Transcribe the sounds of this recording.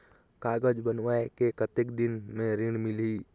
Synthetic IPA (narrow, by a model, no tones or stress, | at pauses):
kaɡəd͡ʒbənʋaekekət̪ekd̪inmẽɾiɽ̃mili